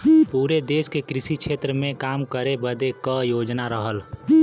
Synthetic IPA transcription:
puːɾed̪eːskekɾɪʃikʃʰeːt̪ɾəmẽkaːmkəɾebəd̪ekəjoːd͡ʒnaɾəɦəl

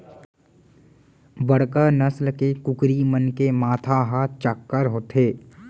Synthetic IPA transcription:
bəɽkanəslkekʊkɾimənkemaːt̪ʰaɦaːt̪t͡ʃakːəɾɦoːt̪ɦeː

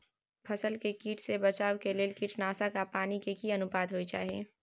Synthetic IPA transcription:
pʰɐsəlkekiːʈsebɐt͡ʃaːwkelɪːlkiːʈnaːsakapaːnikekiɐnʊpaːd̪ɦoːit͡ʃa̰ːɦieː

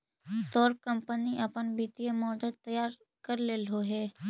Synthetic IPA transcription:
t̪oːɾkə̃mpəniʔɐpənbiːt̪ijemɔːd͡ʒəd̪̚t̪ɐjaːɾ | kəɾleːlɦoɦɛː

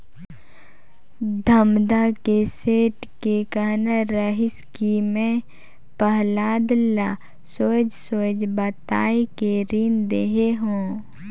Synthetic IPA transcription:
d̪ʱəmd̪akeseːʈkekanəɾəɦɪskimẽ | pəɦlaːd̪la | soːd͡ʒsoːd͡ʒbət̪aːikeɾiːnd̪eɦeɦõː

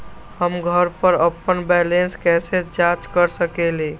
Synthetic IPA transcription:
həmɡʱəɾpəɾəpːənbɛlenskɛsed͡ʒãt͡ʃkəɾsəkele

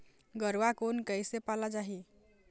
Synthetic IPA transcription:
ɡʌɾwakonkəjsepalad͡ʒaɦi

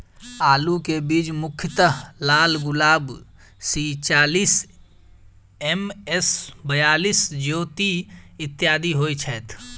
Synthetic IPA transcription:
aːlukebiːd͡ʒmʊkʰjət̪əɦlaːlɡʊlaːb | siːt͡ʃaːliːs | emesbəjaːliːsd͡ʒoːt̪iɪt̪ːjaːd̪iɦoːit͡ʃʰɛːt̪ʰ

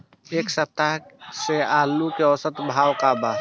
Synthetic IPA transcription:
eːksət̪ːaɦseaːlukeɔsət̪bʱaːwkaːba

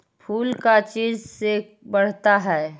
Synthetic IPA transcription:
pʰuːlkat͡ʃiːzse | bɐɽ̤t̪aɦɛː

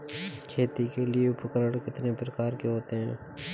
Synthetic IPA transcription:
kʰeːt̪ikelieʊpəkəɾəɽkɪt̪nepɾɐkaːɾkeɦoːt̪eɦɛ̃ː

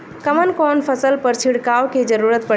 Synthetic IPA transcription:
kəmənkonpʰəsəlpəɾt͡ʃʰiɽkawked͡ʒəɾuɾət̪̚pə

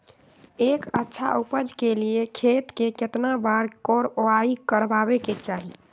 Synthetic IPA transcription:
ekətːʃʰa̰ʔupəd͡ʒkeliekʰet̪keket̪nabaɾkɔɾoaikəɾbabeket͡ʃaɦḭ

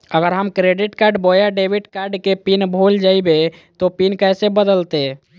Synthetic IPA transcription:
əɡəɾɦəmkɾeɖiʈkaɾɖbojaɖebiʈkaɾɖkepinbʱold͡ʒaibe | t̪opinkɛjsebəd̪əlt̪e

